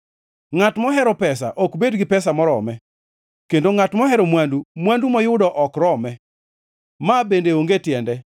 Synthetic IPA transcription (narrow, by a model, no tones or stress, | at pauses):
ŋatmɔɦɛɾɔpɛsa̰ʔɔkbedɡɪpɛs̬amɔɾɔ̰mɛ | kendoŋatmɔɦɛɾomwandumwandumɔjʊdɔʔɔkɾɔmɛ | mabendeoŋɡetjɛndɛ